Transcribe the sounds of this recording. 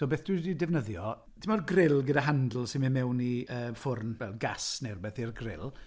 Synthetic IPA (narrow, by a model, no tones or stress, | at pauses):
soːbeːθd̥wididɛvnəðjɔ | tʰɪmɔrɡrɪlˠɡədaɦandl̩ˠsɪnminmɛwniʔəːfʊrnvɛlˠɡasnɛrbɛθirɡrɪlˠ